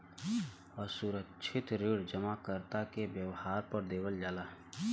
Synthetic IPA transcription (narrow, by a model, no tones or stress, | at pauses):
ɔːɾsuɾəkʃʰɪt̪ɾiɽd͡ʒəmakəɾt̪akebjəʋhaːɾpəɾd̪eːwəld͡ʒaːlaːɦ